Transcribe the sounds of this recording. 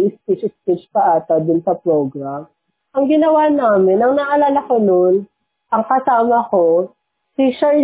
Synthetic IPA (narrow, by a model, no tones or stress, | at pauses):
ʔɪspit͡ʃɪspit͡ʃpɐʔaːt̪ɐd̪ʊnsɐpɾoːɡɾam | ʔɐŋɡɪnɐwanaːmɪnɐŋnɐʔɐlaːlɐkonon | ʔɐŋkɐsaːmɐko | siʃɛ